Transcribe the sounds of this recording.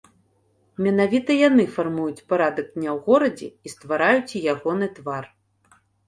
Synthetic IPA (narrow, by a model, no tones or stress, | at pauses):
mʲɛnavʲit̪ɐjanɨfarmujut͡sʲpaɾad̪ɐɡ̚d̪ʲnʲawɣɔɾɐd͡zʲɛ̰ist̪vaɾajut͡sʲijaɣɔnɨt̪var